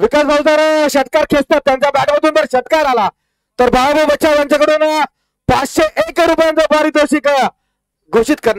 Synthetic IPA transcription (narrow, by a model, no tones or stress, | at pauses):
ʋikasbʱawt̪aɾoɕət̪kaɾkʰest̪at̪ːjãɲt͡ɕabæʈməd̪ʱuːnt̪əɾɕət̪̚kaɾala | t̪əɾbʱaabəbət̪ːɕʰajjãɲt͡ɕakəɽuːna | pat͡sɕeʔekɾupjãnt͡sabaɾiːd̪oɕikə | ɡʱoɕit̪kəɾn